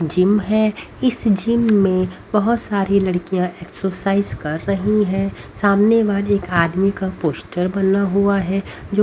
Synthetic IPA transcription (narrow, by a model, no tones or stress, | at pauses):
d͡ʒɪmɦɛ̃ | ɪsd͡ʒɪmːẽbɐɦʊt̪saːɾilɐɽkijãʔeːksəɾsaːɪzkɐɾːɐɦiɦɛ̃saːmnebaːd̪eːkaːd̪mikapoːsʈəɾbɐnaɦuaɦɛd͡ʒoː